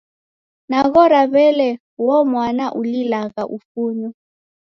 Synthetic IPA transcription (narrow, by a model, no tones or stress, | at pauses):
naɣɔɾaβɛlɛ | wɔmwanaʔulilaɣaʔufunɔ